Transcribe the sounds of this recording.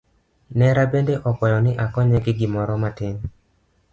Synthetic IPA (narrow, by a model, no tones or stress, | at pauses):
nɛɾabendeʔɔkɔjɔnɪʔakɔɲɛɡɪɡɪmɔɾɔmatɪn